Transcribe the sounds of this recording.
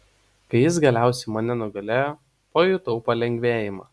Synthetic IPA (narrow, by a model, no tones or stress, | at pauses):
kɐɪjɪs̬ɡɐlʲæˑʊsʲɛɪmɐnʲɛnʊɡɐlʲeːjoː | poːjut̪ʊʊpɐlʲɛŋʲɡʲʋʲeːjɪmɐː